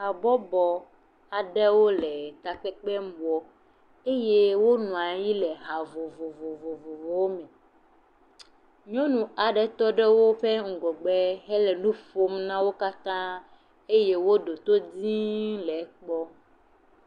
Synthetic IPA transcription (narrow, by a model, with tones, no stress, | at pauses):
a˨bɔ˦bɔ˨ | a˨ɖɛ˦wo˦lɛ˨t̪a˨k͡pɛ˦k͡pɛ˦m˦bɔ˦ | e˦je˦wo˦nũ˨a˨ji˦lɛ˨ɦa˨vo˨vo˨vo˨vo˨vo˨vo˨˦wo˦mɛ̃˨ | ɲɔ̃˦nũ˨a˨ɖɛ˦t̪ɔ˦ɖɛ˦wo˦ɸɛ˦ŋ̩˨ɡɔ˨ɡ͡bɛ˦ɦɛ˦lɛ˨nũ˦fo˦mnã˦wo˦ka˦t̪ã˦ | e˦je˦wo˦ɖo˨t̪o˦di˦lɛ˨˦k͡pɔ˦